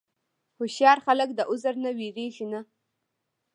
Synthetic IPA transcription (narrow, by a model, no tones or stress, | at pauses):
hʊʃjɑɾxaləkd̪əʔʊzaɾnawiɾeʒina